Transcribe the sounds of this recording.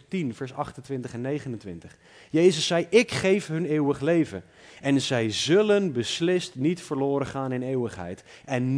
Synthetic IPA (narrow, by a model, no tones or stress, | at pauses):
tinvɛɹsɑχtəntʋɪntəχɛnːejχənəntʋɪntəχ | jejzəsːɛjʔɪkχejfɦɵneːwəχlejvən | ɛnzɛjzɵlənbəslɪstnitfəɹlʊːɾəχaːnɪneːwəχɦɛ̰jtɛn